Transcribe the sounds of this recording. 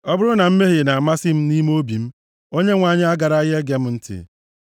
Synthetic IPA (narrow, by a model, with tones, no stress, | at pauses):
ɔ˦bʊ˦ɾʊ˦na˨m̩˦me˦ɦɪ˨na˨a˨ma˦sɪ˦m̩˦ni˦m˦o˦bi˨m̩˦ | o˦ɲe˦ŋʷaː˨ɲɪ˦a˦ɡa˨ɾa˦ɣe˦ɡe˨˦m̩˦n̩˦tɪ̰˨